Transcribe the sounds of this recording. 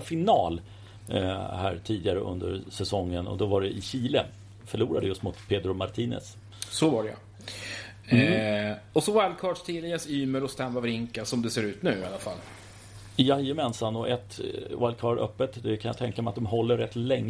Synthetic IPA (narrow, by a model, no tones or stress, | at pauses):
fɪnɑːl | hæ̰ːɾʈʰiːd̪ɪɡaɾəʔɵ̰nd̪ə̰ɾsɛsɔŋːənɔ̰d̪ɔvaɖɛʔɪɕiːlə | fœɭuːɾad̪əjɵst̪mʊt̪pʰeːd̪ɾʊmaɾt̪ʰiːnɛ̰s | sɔvaɖɛa̰ | ɔsɔwalkʰɑːɖʂt̪ʰiːlɛɡasyːməɾɔst̪ɛmːavɾɪŋkasɔmd̪ɛseːɾʉ̟ːt̪nʉ̟ːɪalːafa̰l | jajəmɛnsanɔʔɛt̪walkʰɑːɖʔœ̰pːət̪d̪ɛkʰanja̰t̪ʰɛŋkamɛat̪̚d̪ɔmɦɔlːəɾɛt̪ːlɛŋː